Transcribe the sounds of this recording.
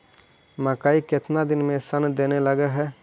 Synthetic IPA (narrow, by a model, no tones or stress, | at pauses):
məkaːikɪt̪nad̪ɪnmẽsənd̪eːneləɡeɦɛː